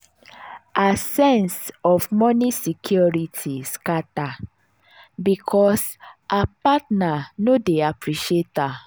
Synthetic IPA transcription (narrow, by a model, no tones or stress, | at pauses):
ʔasɛ̃nsɔfmɔnisikʰjɔɹitʰiskata | bikʰɔsʔapatnanodeapɹiʃeta